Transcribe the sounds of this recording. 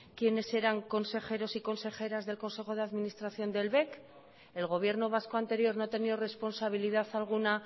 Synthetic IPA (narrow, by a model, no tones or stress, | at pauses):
kje̞ne̞se̞ɾaŋko̞nse̞χe̞ɾo̞siko̞nse̞χe̞ɾazðe̞lko̞nse̞xo̞ð̞eaðminist̪ɾaθjo̞nd̪e̞lβe̞k | e̞lɣo̞β̞je̞ɾno̞β̞asko̞ant̪e̞ɾjo̞ɾnot̪e̞nio̞re̞spo̞nsaβ̞iliðaθalɣ̞una